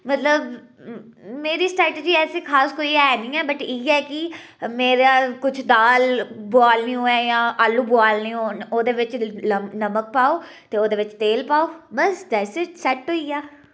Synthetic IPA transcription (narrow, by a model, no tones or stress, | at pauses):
mət̪ləb | meːɾiːsʈɾɛːʈeːd͡ʒiːɛːseːkʰaːskoːiːɛːnĩːɛːbəʈiːɛːkɪ | meːɾaːkʊt͡ʃʰd̪aːlbʊaːlnĩːɦoːɛːjãːʔaːlːuːbaːlnĩːɦoːoːd̪eːʋɪt͡ʃənəmək̚paːoː | t̪eːoːd̪eːʋɪt͡ʃt̪eːlpaːoːbəsd̪ɛːsəʈsɛʈɦoːiːaː